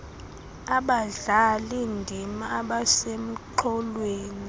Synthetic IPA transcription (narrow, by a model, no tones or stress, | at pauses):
aɓaɮalindʱimaːɓasem̩ǃʰɔlweːni